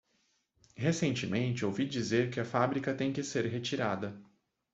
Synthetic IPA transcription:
hesẽnt͡ʃɪmẽnt͡ʃɪowvid͡ʒizeɾkɪɐfabɾikɐt̪ẽj̃kɪseɾɦet͡ʃiɾad̪ɐ

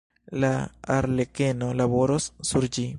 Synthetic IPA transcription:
laa̰ɾlekenolaβo̞ɾosːuɾd͡ʒi

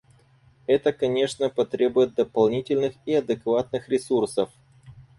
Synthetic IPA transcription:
ɛt̪əkɐnʲe̞ʂnəpɐt̪ɾʲebʊjɪt̪̚d̪əpɐlˠnʲitʲɪlʲnɨxiɐd̪ɨkvat̪̚nɨxɾʲɪsursəf

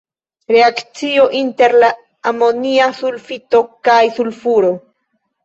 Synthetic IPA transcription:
ɾe̞akt͡sio̞ʔinte̞ɾla | amo̞niasulfito̞kajsulfuɾo̞

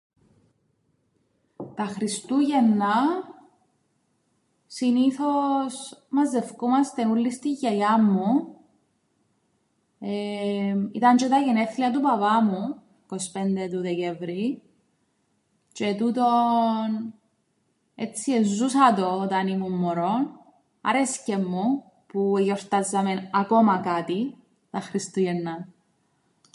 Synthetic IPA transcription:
t̪ɐxɾist̪uʝenːɐ | siniθosmɐzːe̞fkumɐst̪enulːist̪iʝːɐjɐmːu | emit̪ɐnt͡ʃet̪ɐʝeneθliɐt̪̬upɐpɐmu | kospend̪et̪uðecevɾi | t͡ʃet̪ut̪on | et͡sːiezːusɐt̪o̞ːt̪ɐnimumːoɾon | ɐ̰ɾescemːu | pueʝoɾt̪azːɐmenɐko̞mɐkat̪i | t̪ɐxɾist̪ujenːɐ

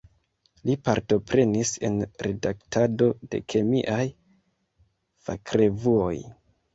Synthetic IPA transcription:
lipaɾto̞pɾe̞nise̞̰nɾe̞daktado̞de̞̰kʰe̞miʔaj | fakɾe̞vuo̞j

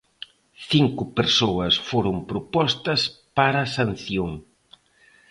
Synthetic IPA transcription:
θiŋkʊpeɾsoɐsfoɾʊmpɾʊpɔst̪ɐspaɾasan̟θjoŋ

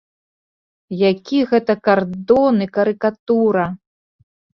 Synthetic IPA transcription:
jakʲiɣɛt̪ɐkard̪ɔnɨkɐɾɨkat̪uɾɐ

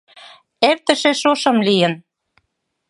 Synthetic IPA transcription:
eɾt̪ə̆ʃeʃoʃɤ̆mlijə̆n

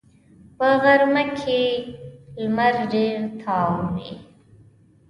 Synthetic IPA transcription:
pəɣaɾmakʰe | lmaɾɖeɾt̪ʰɑːwnḛ

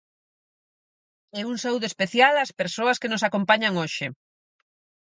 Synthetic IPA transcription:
ɛuŋsawðoespeθjalɐspeɾsoɐskenosakompaɲaŋoʃɪ

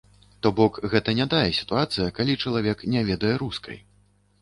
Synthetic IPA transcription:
t̪ɔbɔkɣɛt̪ɐnʲɛd̪ajɛsʲi̥t̪uat̪sɨjɐkalʲit͡ʂɐlˠavʲɛknʲɛvʲɛd̪ɐjɛɾuskʰɐ̰j

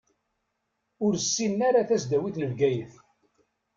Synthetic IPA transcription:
ʊɾsːinːaɾaθæsd̪æwiθnəlɡæjəθ

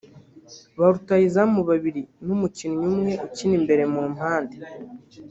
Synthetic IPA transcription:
βaɾutajizamuβaβiɾinumucinuɲumŋe̞ucinimbe̞ɾe̞mumaːnde

